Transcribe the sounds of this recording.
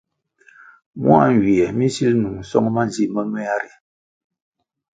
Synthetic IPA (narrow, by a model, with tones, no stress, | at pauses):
mwa̰˦˨ŋ˨ɡi˨ɛ˨mi˦si˦lnu˨ŋ̩˨sɔ̰˦ŋma˦nzi˦mə˦mɛ˦a˦ɾi˨